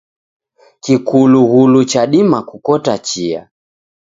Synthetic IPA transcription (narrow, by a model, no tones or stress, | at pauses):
kikuluɣulut͡ʃaɗimakukɔtat͡ʃia̰